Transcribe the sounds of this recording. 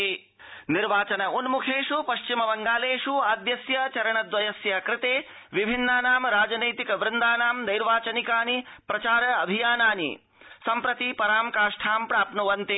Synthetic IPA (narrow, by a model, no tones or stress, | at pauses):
niɾʋaːt͡ʃɐnɐunmukʰeːʂupɐʃt͡ʃimɐbɐŋɡaːleːʂuaːd̪jɐsjɐt͡ʃɐɾɐɳɐd̪ʋɐjɐsjɐkɾɪt̪eː | ʋibʱinːaːnaːmɾaːd͡ʒɐnɐjt̪ikɐʋɾɪnd̪aːnaːmd̪ɐjɾʋaːt͡ʃɐnikaːnipɾɐt͡ʃaːɾɐɐbʱijaːnaːnḭ | sɐmpɾɐt̪ipɐɾaːmkaːʂʈʰaːmpɾaːpnuʋɐnt̪i